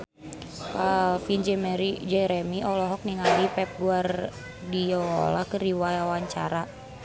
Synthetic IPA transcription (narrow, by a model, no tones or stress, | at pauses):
kalfind͡ʒɛmɛɾid͡ʒɛɾɛmiʔɔlɔɦɔk̚niŋalipɛp̚ɡuar | diɔɔ̰lakəriwajawaɲt͡ʃa̰ɾa